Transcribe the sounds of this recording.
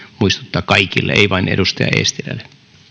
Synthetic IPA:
muist̪u̥t̪ːɑːkɑikilːḛḛiʋɑineɾust̪ɑjɑ̰ḛːst̪ilæ̰lːe

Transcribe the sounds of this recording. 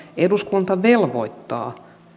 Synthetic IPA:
eduskunt̪ɑʋelʋo̰it̪ːɑ̰ː

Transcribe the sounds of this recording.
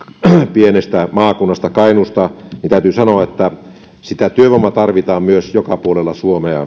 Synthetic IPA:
pienest̪æmɑːkunːɑst̪ɑkɑinust̪ɑnint̪æˑyt̪yːsɑnoɑet̪ːæ | sit̪æt̪yøʋomːɑt̪ɑrʋit̪ɑːmmyøsjokɑpuolelːɑsuomeɑ̰

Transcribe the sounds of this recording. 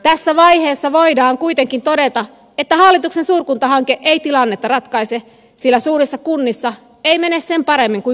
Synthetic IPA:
t̪æsːæʋɑiheːsːɑʋoidɑːŋkuit̪eŋkint̪odet̪ɑ | et̪ːæhɑlːit̪uksensuːrkunt̪ɑhɑŋkeʔeit̪ilɑnːet̪ːɑrɑt̪kɑise | silːæsuːrisːɑkunːisːɑ | eimenessempɑɾemːiŋku

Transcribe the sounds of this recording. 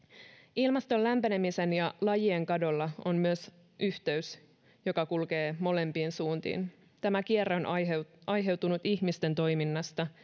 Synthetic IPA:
ilmɑst̪o̞lːæmpene̞mise̞njɑlɑjieŋkɑdo̞lːɑo̞mmyøs | ʔyht̪e̞ys | jo̞kɑkulke̞ːmo̞le̞mpiːnsuːnt̪ḭːn | t̪æmækierːeonɑjɦe̞wt̪unut̪içmist̪e̞nt̪o̞jminːɑst̪ɑ

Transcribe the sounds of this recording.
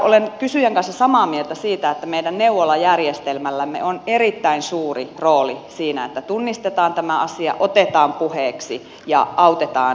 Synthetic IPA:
ʔolenkysyjæŋkɑnsːɑsɑmɑːmielt̪æsiːt̪æet̪ːæmeidænneuʋolɑjærjest̪elmælːæmːḛonerit̪ːæinsuːriroːlisiːnæet̪ːæt̪unːist̪et̪ɑːnt̪æmæɑsiɑ̰ʔot̪et̪ɑːmpuheːksi | jɑ̰ɑut̪et̪ɑ̰ː

